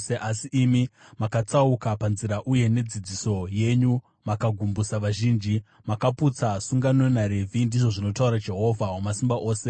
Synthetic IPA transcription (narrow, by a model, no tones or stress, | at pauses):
eʔasiimimakat͡saukapanziɾaʔuje̞ne̞d͡zid͡ziso̞je̞ɲu | makaɡʱumbusaʋaʒiːnd͡ʒi | makaput͡sasuŋɡano̞naɾe̞vʱindiʐo̞ʐino̞tauɾad͡ʒe̞ɦo̞vʱaɦomasimbaʔo̞ːse̞